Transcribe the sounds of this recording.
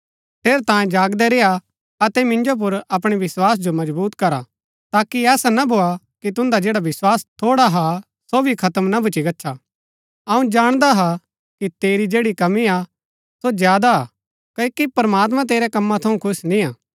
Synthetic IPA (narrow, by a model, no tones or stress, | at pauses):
pʰeːɾt̪ãːjẽd͡ʒaːɡd̪ɛɾeːa | ɐt̪ɛmɪ̃nd͡ʒop̬ʊɾɐp̬ɽ̃iʋɪswaːs̬d͡ʒomɐd͡ʒbuːt̪kɐɾa̰ | t̪aːkiɛːsanabʱoa | kit̪ʊ̃nd̪ad͡ʒeːɽaʋɪswaːst̪ʰoːɽaɦa | sobʱikʰɐt̪əmnɐbʱʊt͡ʃiɡɐːʃʰa | ɐũd͡ʒaːɽ̃d̪aɦa | kit̪eːɾid͡ʒeːɽikɐmia | sod͡ʒjaːd̪a̰ | kɐikipɾəmaːt̪̬mãt̪eːɾɛkɐmːãt̪ʰɐũkʰʊsnĩaː